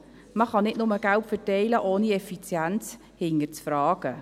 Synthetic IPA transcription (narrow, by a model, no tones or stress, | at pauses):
məχɑnɪtnʊməɡ̥altfətɛɪləʔoːniɛfit͡sjænt͡s | hɪŋəɾt͡sfɾɑːɡ̥ə